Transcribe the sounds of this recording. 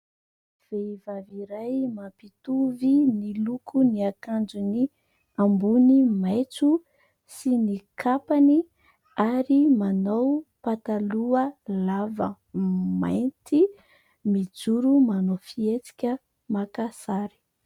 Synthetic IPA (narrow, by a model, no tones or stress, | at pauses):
v̥evaviɾajmapit̪uvinilukʰuniakand͡ʒuni | ambunimajt͡su | sinikʰapani | aɾimanowpat̪aluəlavə | ma̰jnt̪i | mid͡zuɾumanofiet͡si̥kʲə | makasaɾi̥